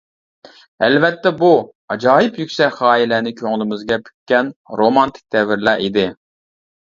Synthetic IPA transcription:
æ̰lvɛt̪ːɛbu | ɑd͡ʒɑːɦɪpjykʲsɛχɑːilɛnɪkʲʰøŋɪlˠɪmɪzɡʲɛpʰy̥kʲkʲːɛnɾomɑnt̪ʰɪ̥k̚ʲd̪̥ɛvɪɾlæɾʔid̪ɪ

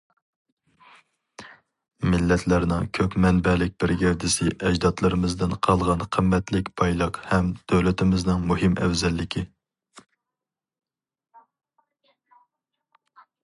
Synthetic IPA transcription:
mɪlːɛt̪ʰlæɾnɪŋkʲʰøpmɛnbɛlɪk̚ʲbɪɾɡʲɛɾd̪ɪsɪʔɛd͡ʒd̪ɑt̪lˠɨɾɨmɨzd̪ɪnqʰɑlˠʁɑnqʰəmːɛt̪lɪkʲpʰɑjlˠɑqhɛmd̪̥øwlɪt̪ʰɪmɪznɨŋmuɦɪmʔɛ̰wzɛlːɪkʲʰi

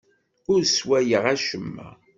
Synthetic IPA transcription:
ʊɾswæjəʁæʃəmːæ̰

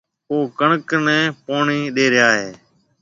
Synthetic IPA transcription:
oːkəɳəknɛ̃ːpoːɳiːɗeːɾɪjaːɦeː

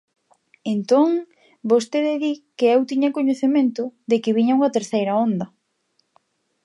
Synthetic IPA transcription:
ent̪oŋ | bost̪eðɪðikɪewt̪iɲɐkoɲeθemẽnt̪ʊðɪkɪβiɲɐuŋɐt̪eɾθejɾɐond̪ɐ

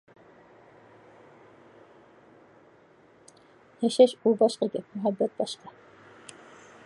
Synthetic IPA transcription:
hæʃæʃulˠbɑʃqɤɡɘmɵɦæbːæt̪̚bɑʃqɑ

